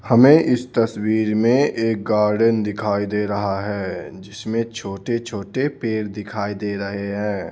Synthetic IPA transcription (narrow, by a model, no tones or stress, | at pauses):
hɐmẽʔɪst̪ɐswiːɾmẽeːk̚ɡaːɾɖənd̪ɪkʰaːid̪eɾɐɦaɦɛːd͡ʒɪsmẽt͡ʃʰoːʈet͡ʃʰoːʈepeːɾd̪ɪkʰaːid̪eːɾɐɦeɦɛ̃ː